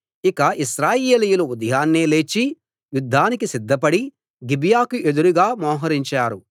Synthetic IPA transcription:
ikɐiʃɾaːjeːlijuluud̪ɐjaːnːeːle̞ːt͡ʃːi | jud̪ʱːaːnikisid̪ʱːɐpɐɽi | ɡibjaːkuʔe̞d̪uɾuɡaːmɔːɦɐɾiɲt͡ʃaːɾu

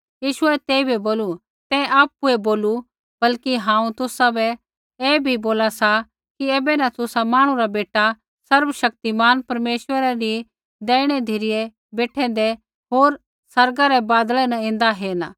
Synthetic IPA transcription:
jiːʃʊɛt̪eːibʱiboːlu | t̪ɛ̃ʔaːpːueboːlu | bɐlkiɦãːũt̪ʊsabɛ | eːbʱiboːlasa | kieːbɛnãt̪ʊsamaːɽ̃ũɾabeːʈa | sɐɾbʃɐk̚t̪imaːnpɐɾmeːʃwəɾaɾi | d̪ɛːɽ̃ɛd̪ʱiɾɪje | beːʈʰɛ̃ːn̆d̪ɛ | ɦoːɾ | sɐɾɡaɾɛbaːd̪ɭɛnãẽːnd̪aɦeːna

